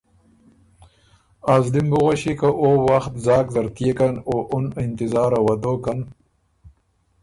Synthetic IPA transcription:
azlimbuɣaɕikaʔoːwaxt̪zɑːkzɐɾt̪ijekɐnoʔunɪnt̪ɪzaːɾawɐd̪oːkɐn

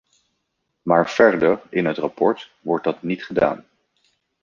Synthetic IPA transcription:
maːɹv̥ɛɹdəɹɪnɦətrapɔɹtʋɔɹd̚dɑtnitχəda̰ːn

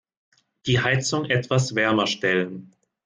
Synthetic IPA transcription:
d̥iːɦaɪt͡sʊŋʔɛtv̥asv̥ɛɐmɐʃtɛlən

